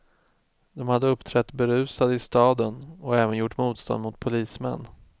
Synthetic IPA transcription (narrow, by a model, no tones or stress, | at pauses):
d̪̥ɔmhad̪ːəɵpːt̪ʰɾɛt̪ːbɛɾʉ̟ːsad̪əɪst̪ɑːd̪ənɔɛːvənjʊʈːmuːt̪st̪ɔ̰nd̪mʊt̪pʰʊliːsmɛ̰nː